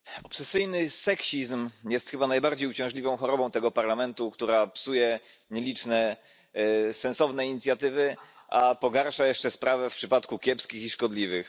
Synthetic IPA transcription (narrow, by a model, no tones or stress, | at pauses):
ɔpsɛsɘjnɘsɛkɕizmjɛst̪xɘbanajbaɾd͡ʑejut͡ɕɛ̃w̃ʐlʲivɔ̃w̃xɔɾɔbɔ̃w̃t̪ɛɡɔpaɾlamɛnt̪ukt̪uɾapsujɛ | ɲɛlʲit͡ʂnɛ | sɛnsɔvnɛiɲit̪sʲjat̪ɘvɘ | ʔapɔɡaɾʂajɛʂt͡ʂɛspɾavɛfpʂɘpat̪kukʲjɛpskʲixiʂkɔd̪lʲivɘx